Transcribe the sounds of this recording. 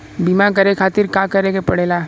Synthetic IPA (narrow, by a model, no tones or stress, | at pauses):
bimak̬ɐɾekʰaːt̪ɪɾkaːkɐɾeɡepɐɽ̤eːlaː